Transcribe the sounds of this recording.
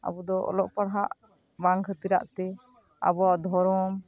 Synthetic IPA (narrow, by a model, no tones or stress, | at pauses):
a̰bɔd̪ɔɔ̰lɔʔpaɽɦaʔ | baŋkʰət̪iɾa̰ʔt̪ɛ | a̰bɔaʔd̪ʱɔɾɔm